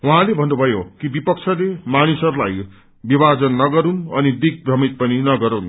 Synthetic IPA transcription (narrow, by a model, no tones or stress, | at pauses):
wuɦãlebʱʌnːubʱʌjokibipʌk̚t͡sʰʌlemanisʌɾulaj | bibad͡zʌnːʌɡʌɾunʌnid̪ik̚brʌmit̪̚pʌninʌɡʌɾun